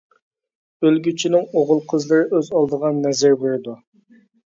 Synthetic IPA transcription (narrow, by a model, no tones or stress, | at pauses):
ølɡʲyt͡ʃʰinɪŋoʁʊlˠqʰəzlˠɨɾɪʔøzɑlˠd̪əʁɑnːɛzɪɾbøɾd̪u